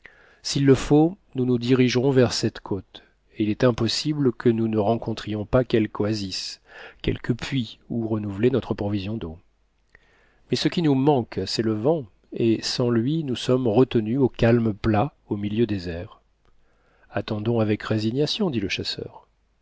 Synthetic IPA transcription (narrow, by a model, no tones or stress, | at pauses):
silːəfonunud̪iʁiʒʁɔ̃vɛʁsɛt̪kʰot̪ | eilɛt̪ɛ̃pɔsibləkʰənunəʁɑ̃kɔ̃t̪χijɔ̃pakʲɛlkwaziskʲɛ̰lkəpɥiuʁənuvlenɔt̪χəpχɔvizjɔ̃d̪o | mɛsəkʲinumɑ̃ksɛləvɑ̃ | esɑ̃lɥinusɔmʁət̪ənyokʲalmpla | omiljød̪ezɛʁ | at̪ɑ̃d̪ɔ̃avɛkʁeziɲjasjɔ̃d̪iləʃasœ̰ʁ